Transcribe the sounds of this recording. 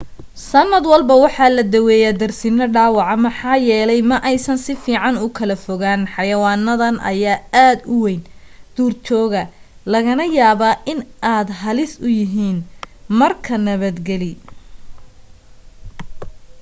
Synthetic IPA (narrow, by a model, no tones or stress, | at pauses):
sɐnːɐd̪wɑlbɐwɑħɑlɐd̪ɐwɛːjad̪ɐrsɪnɐɖaːwɑʕɑmɐħɑːjɛːlɛjmɐʔɛjsɐnsɪfiːʕɑnʊkʰɐlɐfɔɣanħɑjɐwɑːnːɐðɐnʔɐ̰jaːaːd̪ʊwejnd̪̥uːrt͡ʃɔːɣɐlɐɣɐnɐjaːβaʔɪnʔaːd̪ɦɐlɪsʊjɪɦiːnmɐrkʰɐnɐβɐd̪ɡɛli